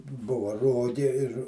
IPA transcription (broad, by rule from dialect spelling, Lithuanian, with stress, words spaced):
ˈbʊʋɐ ˈroːɡʲeː ɪr